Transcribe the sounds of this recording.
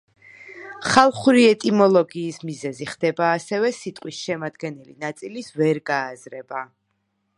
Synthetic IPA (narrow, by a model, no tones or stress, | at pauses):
χalˠχuɾiɛt̪ʼimɔlˠɔɡiːsmizɛziχd̪ɛbaːsɛvɛsit̪ʼqʼwisʃɛmad̪ɡɛnɛlḭnat̪sʼilisvɛɾɡaːzɾɛba